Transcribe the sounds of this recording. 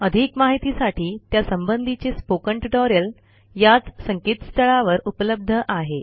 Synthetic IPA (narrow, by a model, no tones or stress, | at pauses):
əd̪ʱikmaɦit̪isaʈiːt̪jasəmbənd̪ʱit͡ɕespokəɳʈiʈɔɾjəl | jat͡ssəŋkiːt̪st̪əɭaʋəɾupələb̚d̪ʱəʔaɦe